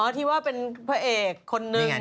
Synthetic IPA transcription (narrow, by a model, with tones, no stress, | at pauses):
ʔɔ˦˩t̪ʰiː˧˩waː˥˩pe˧npʰa˦˩ʔeː˨˩kʰːo˧nːɯ˧